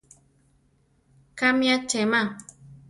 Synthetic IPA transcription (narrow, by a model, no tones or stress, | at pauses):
kamĩat͡ʃema